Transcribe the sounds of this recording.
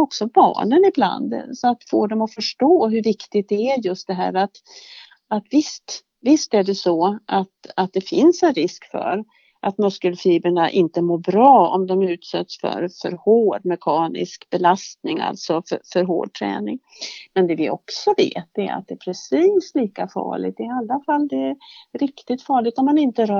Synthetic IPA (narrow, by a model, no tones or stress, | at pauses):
ɔksɔbɑ̰ːɳənɪbla̰nd̪sɔat̪foːɖɔmɔfœʂʈoːɦɵɾvɪkt̪ɪɡt̪̚d̪ɛæɾjɵst̪̚d̪ɛɦæ̰ːɾat̪ | at̪vɪst̪ | vɪst̪æɖɛsɔʔat̪at̪̚d̪ɛfɪnsɛnɾɪskfœ̰ɾ | ʔat̪mɵskəlfiːbəɳaʔɪnt̪əmoːɾbɾɑːɔ̰md̪ɔmʉ̟ːt̪sɛt̪sfœ̰ɾfœ̰ɾhoːɖmɛkʰɑːnɪ̰skbɛlast̪nɪŋa̰lt̪sɔffœɾɦo̰ːɖ̚t̪ʰɾɛ̰ːnɪŋmɛnd̪ɛvɪɔ̰ksɔvḛːt̪̚d̪ɛæ̰ɾa̰t̪̚d̪ɛːpʰɾɛsiːsliːkafɑ̰ːɭɪ̰ɡ̚t̪d̪ɛɪalːafalːd̪ɛæɾɾɪkt̪ɪt̪fɑːɭɪɡ̚t̪ɔmːanɪnt̪əɾœː